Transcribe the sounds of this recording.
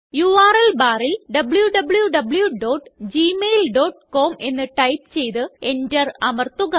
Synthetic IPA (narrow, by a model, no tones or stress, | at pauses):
juaːrelbaːrilɖɐbɭjuɖɐbɭjuɖɐbɭjuɖo̞ːʈːd͡ʑiːmejlɖo̞ːʈko̞ːme̞nːɨʈɐjp̚t͡ɕe̞jt̪ɨe̞ndɐrɐmɐrt̪uɣɐ